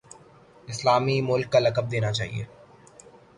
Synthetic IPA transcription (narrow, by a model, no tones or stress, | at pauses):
ɪslaːmimʊlkːalɐkəb̚d̪eːnat͡ʃaːɦḭḛː